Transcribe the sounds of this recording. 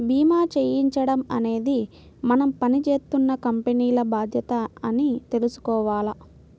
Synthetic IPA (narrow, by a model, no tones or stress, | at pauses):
bʱiːmaːt͡ʃeːjiɲt͡ʃɐɽɐmɐ̰ne̞ːd̪i | mɐnɐmpɐnit͡ʃe̞ːst̪unːɐkɐmpeniːlɐbaːd̪ʱjɐt̪ɐɐnit̪e̞lusu̥kɔːʋaːlɐ